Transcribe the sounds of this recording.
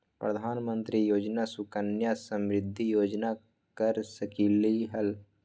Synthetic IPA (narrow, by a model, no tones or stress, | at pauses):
pɾəd̪ʱaːnmə̃nt̪ɾijoːd͡ʒnasʊkənjasəmɾɪd̪ʱːijoːd͡ʒna | kəɾsəkiːliɦəl